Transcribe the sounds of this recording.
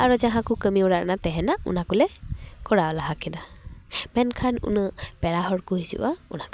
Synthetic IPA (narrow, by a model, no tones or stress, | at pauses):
aɾɔd͡ʒaɦãkukəmiɔɽaʔnat̪ɛɦɛnaṵnakulɛkɔɽaɔlaɦakid̪amɛnkʰanṵnəpɛɽaɦɔɽkuɦisṵʔaṵnaka